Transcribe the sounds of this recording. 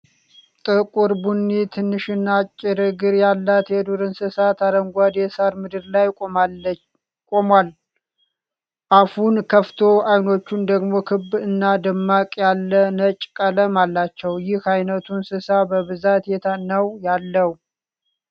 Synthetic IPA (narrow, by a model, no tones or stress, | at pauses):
t̪ʼɨkʼuɾbunːit̪ʰɨnːɨʃɨnːat͡ʃʼːɪɾɨɡɨɾjalːat̪jɛd̪uɾɨnsɨsat̪ʰaɾəŋɡʷad̪jɛsaɾmɨd̪ɨɾlaj | kʼo̞mwal | ʔafunkʰəft̪ʰo̞ajno̞t͡ʃːund̪əɡmo̞kʰɨbːɨnːad̪ɨmːakʼjalːənət͡ʃʼkʼələmalːat͡ʃːɛwjɪhajnət̪ʰunsɨsabəβɨzat̪jɛt̪ʰanːəwjalːəhu